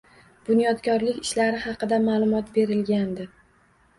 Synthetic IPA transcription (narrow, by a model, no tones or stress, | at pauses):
b̥ʊnjɒt̪kʲʰɒɾlɪkʲɪʃlaɾɪhɑqɨd̪amaːlˠʊmɒt̪be̞ɾɪlɡʲand̪ɪ